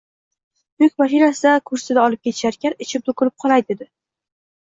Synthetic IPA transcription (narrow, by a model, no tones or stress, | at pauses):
jʊkʲmaʃ̬inasɪd̪akʰʊɾsɪd̪aɒlˠɪp̚kʲeɪʃaɾkʲaɾɪt͡ʃʰɪp̚d̪ʊkʰʊɾɪp̚qʰɒlajd̪ed̪ɪ